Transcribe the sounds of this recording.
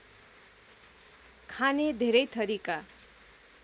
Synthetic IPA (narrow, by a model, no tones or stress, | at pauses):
kʰaned̪ʱeɾʌjt̪ʌɾika